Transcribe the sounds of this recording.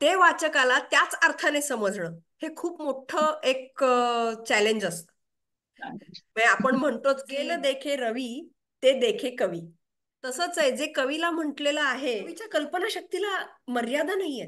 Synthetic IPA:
t̪eʋat͡ɕəkalat̪jat͡saɾt̪ʰanesəməd͡zʱɳəː | hekʰuːpmoʈʰəek̚ | t͡ɕæleɲd͡ʑəst̪ə̥ | məapəɳm̤əɳt̪ot͡sɡeləd̪ekʰeɾəʋiː | t̪ed̪ekʰekəʋiː | t̪əsəːt͡səed͡zekəʋilam̤əʈleləaɦeit͡ɕjakəlpənaɕək̚t̪ilaməɾjad̪ʱanaɦie

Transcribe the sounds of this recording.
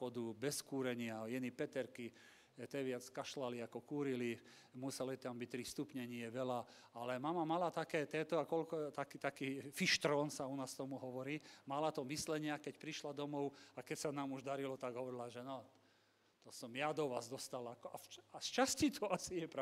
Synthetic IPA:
ɔd̪ubɛskuːɾɛɲɪajɛnipɛt̪ɛɾki | ɛt̪ɛʋɪat͡skaʃlaliakɔkuːɾili | musɛlit̪ambic̚t̪ːɾist̪upɲɛɲiɛʋɛla | alɛmamamalat̪akɛːt̪ɛːt̪ɔakɔlkɔt̪akit̪akiːfiʃt̪ɾɔːnsaunaːst̪ɔmuɦɔʋɔɾiːmalat̪ɔmislɛɲɪakɛcpɾiʃlad̪ɔmɔʊakɛcsanaːmuʒd̪aɾilɔt̪aɡɦɔʋɔɾilaʒɛnɔ | t̪ɔsɔmjad̪ɔʋa̰ːzd̪ɔst̪alakɔaast͡ʃascit̪ʰɔasijɛpɾa

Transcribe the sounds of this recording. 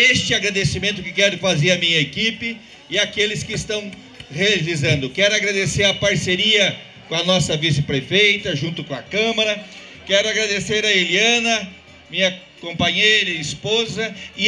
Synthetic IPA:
est͡ʃɪaɡɾad̪esimẽnt̪ʊkɪkɛɾʊfazeɾɐmĩɲɐekipɪ | ɪakelɪskɪɪst̪ɐ̃w̃ | hevizɐ̃nd̪ʊkɛɾʊaɡɾad̪eseɾɐpaɾseɾiɐ | kõɐnɔsɐvisɪpɾefejt̪ɐʒũnt̪ʊkõɐkɐ̃mɐɾɐ | kɛɾʊaɡɾad̪eseɾɐeliɐ̃nɐ | mĩɲɐ | kõmpaɲejɾɐispozɐɪ

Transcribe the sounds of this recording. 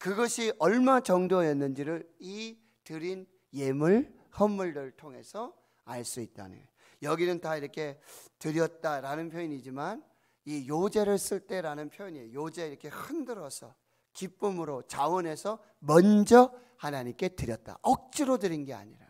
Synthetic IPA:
kɯɡʌɕʰiʔʌɭmat͡ɕʌŋdoajʌnːɯnd͡ʑiɾɯɭi | tɯɾin | je̞muɭ | hʌmːuɭdɯɭtʰoŋɦe̞sʰʌ | aɭs͈uit̚t͈a̰nɯ̰n | jʌɡinɯntaiɾʌkʰe̞tɯɾjʌt̚t͈aɾanɯnpʰjoiɲid͡ʑiman | ijod͡ʑe̞ɾɯɭs͈ɯɭt͈e̞ɾanɯnpʰjoiɲiejod͡ʑe̞iɾʌkʰe̞hɯndɯɾʌsʰʌ | kip͈ɯmɯɾot͡ɕawʌne̞sʰʌ | mʌnd͡ʑʌ | hanaɲimk͈e̞tɯɾjʌt̚t͈a̰ʔʌk̚t͡ɕ͈iɾodɯɾinɡe̞a̰ɲiɾa̰

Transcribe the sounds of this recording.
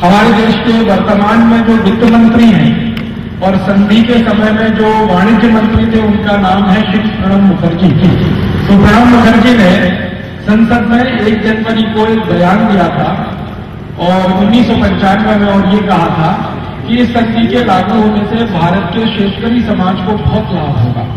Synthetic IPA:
hɐmaːɾed̪eːʃkeʋɐɾt̪əmaːnmẽd͡ʒoːʋɪd̪əmɐ̃nt̪ɾiɦɛ̰̃ː | ɔːɾsɐ̃nd̪ʱikesɐməjmẽd͡ʒoːʋaːɽ̃ɪd̪jəmɐ̃nt̪ɾit̪ʰeʊnkanaːmɦɛʃɪkʃɡəɽəmmʊkʰəɾd͡ʒikit̪obəɽənmʊkʰəɾd͡ʒinẽ | sɐ̃nsəd̪mẽeːk̚d̪ɪnpəɾikolbɐjaːnd̪ijat̪ʰa | ɔːɾʊnːiːsːɔpɐ̃ɲt͡ʃaːnmẽmẽɔːɾjekɐɦat̪ʰa | kiɪsːɐ̃nd̪ʱikelaːkoɦoːnesebʱaːɾət̪keʃeːʃkəɾisɐmaːd͡ʒkobɔɦʊt̪laːbɦo̰ːɡ̪a̰ː

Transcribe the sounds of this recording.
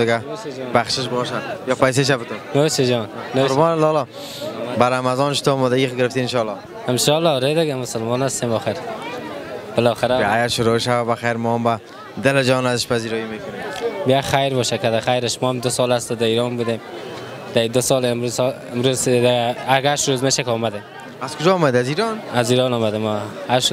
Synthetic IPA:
ɪɡabaχʃɪʃbɔʃajɔpajs̬eʃ̬abɪt̪ʊnnosed͡ʒɔnnoʊɾbɔnlɔlɔ | baɾamazɔnʃʊ̥t̪omɔd̪aɡiɡɪɾɪft̪iɪnʃɔlːɔ | ɪmʃɔlːɔɾed̪ɪɡamʊsalmɔnast̪emɔxɪɾ | b̥ɪlɔχɪɾaaɡaɾʃʊɾoʃawabaxajɾmɔamba | d̪ɪlɪd͡ʒɔnazɪʃpaziɾɔimekʊnembijaχajɾbɔʃakad̪aχajɾɪʃmɔamd̪ʊsɔlast̪ʊd̪aiɾɔnbud̪em | d̪̥ad̪ʊsɔlɪmɾuz | ɪmɾuzd̪aaɡaʃɾozmeːʃakɔmad̪em | az̥kʊd͡ʒɔːmad̪aziɾɔnaziɾɔnɔmad̪emaaʃ

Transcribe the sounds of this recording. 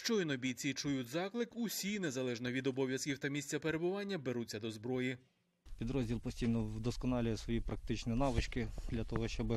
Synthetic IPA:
ʃt͡ʃɔinɔbʲijt͡sʲit͡ʃʊjutʲzɑklˠɪkʊsʲine̞zɐlˠɛʒnɔʋʲid̪ɔbɔʋʲjɐskʲiwt̪ɐmʲisʲt͡sʲɐpe̞ɾe̞bʊʋɑnʲːɐbe̞ɾut͡sʲːɐd̪ɔzbɾɔji | pʲid̪ɾɔzʲdʲilˠpɔsʲtʲijnɔd̪ɔskɔnɑlʲʊjɛsʋɔjipɾɐk̚t̪ɪt͡ʃnʲinɑʋɪt͡ʃkɪd̪lʲɐt̪ɔɦɔʃt͡ʃɔbɪ

